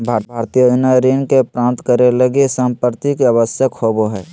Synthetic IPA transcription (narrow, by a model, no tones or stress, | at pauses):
bʱabʱaːɾt̪ijəɪnaɾinkepɾãːnt̪kəɾeləɡesə̃mpəɾt̪ikeabəsjəkhoboɦɛː